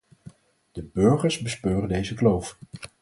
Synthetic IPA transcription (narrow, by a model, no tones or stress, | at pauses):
d̥əbɵɹχəɹzbəspøːrəndejzəklowf